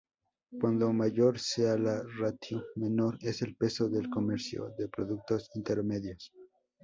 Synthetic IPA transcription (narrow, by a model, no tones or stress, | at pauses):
kwand̪o̞maʝo̞ɾsealarat̪ʰiume̞no̞ɾe̞selpe̞so̞ðe̞lko̞me̞ɾsjo̰ðe̞pɾoðuk̚t̪o̞sint̪eɾme̞ðjos